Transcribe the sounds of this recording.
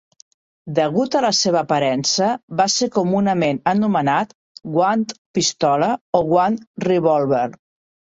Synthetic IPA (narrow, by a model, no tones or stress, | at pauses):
d̪əɣut̪ələseβəːpəɾɛnsəβasekumunəmenənumənat̪ | ɡwant̪pist̪ɔləoɣwanriβɔlˠβeɾ